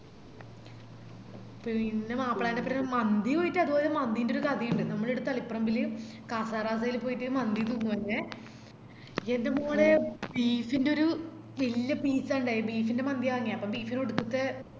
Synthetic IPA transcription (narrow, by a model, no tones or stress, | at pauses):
pːoinːemaːpːɐɽaːndepːɐɾɐnmɐnd̪ipo̞ːjitːɨɐðupoːlemɐnd̪indeoɾukɐd̪ijuɳɖɨnɐmːɐɭiɾut̪ːɐlipːɐrɐmbilːiu | kaːsaːraːs̬aːjilpːo̞ːjitːɨmɐnd̪it̪̬uːnːupɐnːe | endemuŋːɐɭebiːfindeo̞ɾu | ʋelijɐbiːsaːuɳɖaːjibiːfinde̞mɐnd̪ijaːŋːijaɐpːombiːfinoɽukːut̪ːe